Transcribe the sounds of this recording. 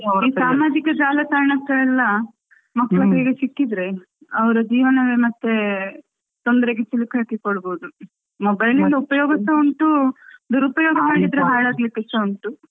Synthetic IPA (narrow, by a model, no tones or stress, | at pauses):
iːsaːmaːd͡ʒikɐd͡ʒaːlɐt̪aːɾɐɳɐkːɐɛlːɐ | mɐkːɐɭɐbɐɡesikːid̪ɾe̞ | ɐʋɐɾud͡ʒiːʋɐnɐʋemɐt̪ːe | t̪ond̪ɐɾeɡet͡ʃilikaːkikoɽboud̪u | mɔbɐjnilːdɐupɐjɔːɡɐst̪ːɐuɳʈud̪uɾupɐjɔːɡɐmaːɽid̪ɾeɦaːɭaːɡlikːɐst̪ɐuɳʈu